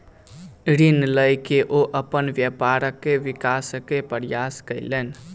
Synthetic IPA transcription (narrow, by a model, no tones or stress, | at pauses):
ɾinləjkeʔoʔəpənʋjəpaɾəkːeʋikaskːepəɾjaskəɪlen